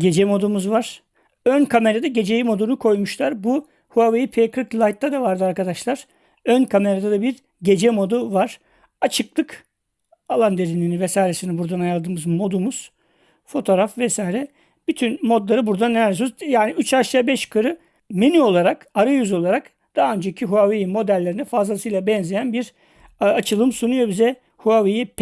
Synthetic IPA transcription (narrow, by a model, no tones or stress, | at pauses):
ɟe̞d͡ʒɛmo̞d̪umuzvaɾ̥ | ønkʰame̞ɾad̪aɟe̞d͡ʒe̞jimo̞d̪unukʰo̞jmuʃlˠaɾbu | huavejipʰekʰɯklˠajt̪ːad̪avaɾd̪ɯaɾkad̪aʃlˠaɾ̥ | ønkʰame̞ɾad̪ad̪abiɾ | ɟe̞d͡ʒɛmo̞d̪uvaɾ̥ | at͡ʃʰɯklˠɯk | alˠand̪e̞ɾininivɛsaːjɾesinɛbuɾd̪anajalˠd̪ɯːmɯzmo̞d̪umuz̥ | fo̞t̪ʰo̞ːɾafvɛsaːjɾɛ | b̥yt̪ʰynmo̞d̪lˠaɾɯbuɾd̪anːeæɾd̪snuzjaːniyt͡ʃaʃabɛʃkʰɯɾɯ | menyo̞lˠaɾakaɾajyzo̞lˠaɾak | d̪̥aɦːø̞nd͡ʒeicʰiɦuavijinmo̞d̪ælʲːe̞ɾinɛfazlˠasɯjlˠabɛnzejænbiɾ | at͡ʃʰɯlˠɯmsunujo̞bizɛ | huavijip